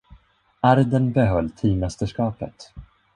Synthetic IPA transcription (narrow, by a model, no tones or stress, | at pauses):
aɾd̪ənbɛɦœlːt̪ʰiːmɛst̪əʂkɑːpə̰t̪